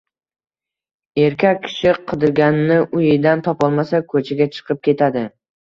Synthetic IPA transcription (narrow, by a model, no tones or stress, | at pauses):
e̞ɾkʲʰak̚ʲːʰɪ̥ʃɪqʰɨd̪ɪɾɡʲanɪnɪʔʊjɪd̪ant̪ʰɒpɒlˠmasakʰɵt͡ʃʰaɡʲat͡ʃʰɨ̥qʰɨp̚kʲʰe̞t̪ʰad̪ɪ